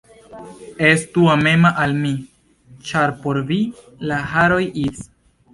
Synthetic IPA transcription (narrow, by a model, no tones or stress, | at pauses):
e̞stuame̞maʔalmi | t͡ʃaɾpo̞ɾvi | lahaɾo̞jis